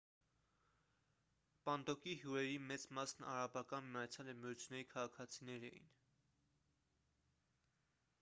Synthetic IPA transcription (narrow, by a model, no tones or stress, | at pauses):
pɑnd̪ɔkiɦjuɾɛɾimɛt͡smɑsnɑ̰ɾɑbɑkɑnmiɑt͡sʰjɑlɛmijut͡sʰjunːɛɾikʰɑʁɑkʰɑt͡sʰinɛɾɛ̰jḭn